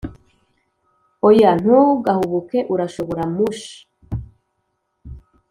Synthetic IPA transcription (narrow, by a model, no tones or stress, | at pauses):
ojan̥huɡahuβuke̞ʔuɾaʃo̞βoɾamuʃi̥